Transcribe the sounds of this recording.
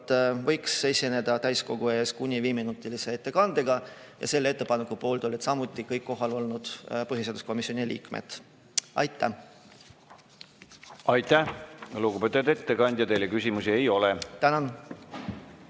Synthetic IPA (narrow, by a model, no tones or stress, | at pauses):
t̪ːvɤjkse̞sʲine̞d̪̥ɑt̪æjsko̞ɡ̥ue̞ːskunʲːiviːminut̪ːˑilise̞et̪ːe̞kɑnd̪̥eɡɑ | jɑ̰se̞lːeet̪ːe̞pɑne̞kːupo̞ːlt̪olːet̪sɑmut̪ːˑikɤjkːo̞ɦɑlo̞lnud̪̥pɤɦise̞ːd̪usko̞misionilʲḭːkmḛt̪ | ɑ̰jt̪ːˑæ̰ | ɑjt̪ːæhluɡubpet̪ˑud̪e̞t̪ːe̞kɑnʲd̪jɑt̪e̞jlekysʲimusie̞jo̞let̪ænɑn